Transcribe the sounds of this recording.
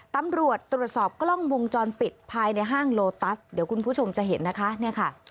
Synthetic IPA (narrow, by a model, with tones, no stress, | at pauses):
t̪a˧mɾu˨˩ət̪ːɾu˨˩ət̪̚sɔː˨˩p̚klɔ˥˩ŋwo˧ŋt͡ɕɔː˧npi˨˩t̪̚pʰaː˧jna˧jɦaː˥˩ŋloː˧t̪a˦˥sdi˩˦wkʰu˧npʰuː˥˩t͡ɕʰo˧mt͡ɕa˨˩ɦe˩˦nːa˦˥kʰa˦˥ni˥˩ɐkʰa˥˩